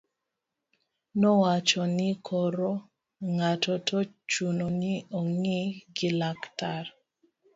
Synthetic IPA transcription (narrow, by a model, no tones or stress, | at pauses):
nɔwat͡ʃɔnɪkʰɔɾɔ | ŋatɔtɔt͡ʃunonɪɔŋiɡɪlaktar